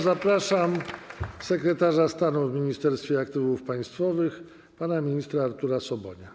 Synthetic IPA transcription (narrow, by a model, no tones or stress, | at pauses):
zapɾaʂamsɛkɾɛt̪aʐast̪anuvmʲiɲist̪ɛɾst̪fʲjɛakt̪ɘvufpaj̃st̪fɔvɘx | panamʲiɲist̪ɾaːɾt̪uɾasɔbɔɲa